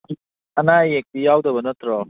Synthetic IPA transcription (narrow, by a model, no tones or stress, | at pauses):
ɐnajek̚dijawdɐbɐnɐt̪ɾɔ